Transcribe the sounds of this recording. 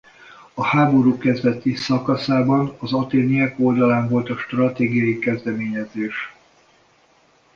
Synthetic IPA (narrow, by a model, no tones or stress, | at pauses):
ɒhaːbo̞ɾuːkɛzd̪ɛt̪isɒkɒsaːbɒnɒzɒt̪eːniɛko̞ld̪ɒlaːɱvo̞lt̪ɒʃt̪rɒt̪eːɡijɒjikɛzd̪ɛmeːɲɛzeːʃ